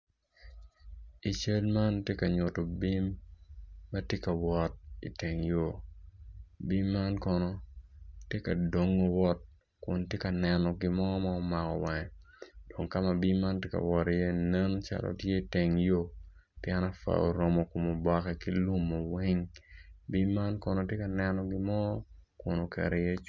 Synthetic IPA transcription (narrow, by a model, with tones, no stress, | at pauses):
i˨t͡ʃe˦lma˦ntje˦ka˨ɲo˨to˨bi˦mː | ɐ˦tje˦ka˨wɔ˨t̚ḭ˨te˨ŋjo˦ | bi˦mːa˦nkɔ˦nɔ˦tje˦ka˨do˦ŋːo˦wɔ˦t̚ | kʊ̰˨ntje˦ka˨nɛ˨nɔ˨ɡɪ˦mɔ˦ɔ˦ma˦ɔ˦ma˨kɔ̰˨wa˨ŋɛ˨ | d̥o˨ŋka˦ma˨bi˦ma˦ntje˦ka̰˨wɔ˨ɾi˨jɛ˦nɛ˦n˦t͡ʃa̰˦lʔo̰˨tje˦i˨te˨ŋjo˦ | pjɛ˦na˦fa̰˨o̰˨ɾɔ˦mɔ˨ko˨mo˨bɔ˦kɛ˨ki˦lu˦mːo˨we˦ŋbi˦mːa˦nkɔ˨no˨tje˦ka˨nɛ˦nɔ˦ɡɪ˦mɔ˦kʊ˨no˨kɛ̰˨ɾɛ˨je˦